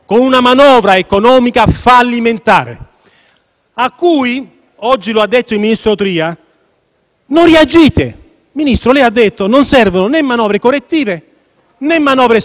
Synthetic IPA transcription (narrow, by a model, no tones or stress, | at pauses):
konunamanɔːvɾaekonɔːmikafalːiment̪a̰ːɾḛ | akːuːi | ɔd͡ʒːiload̪ːet̪ːoilminist̪ɾot̪ɾiːa | nonriad͡ʒiːt̪e | minist̪ɾolɛjad̪ːet̪ːononsɛrvononɛmːanɔːvɾekorːet̪ːiːve | nɛmːanɔːvɾe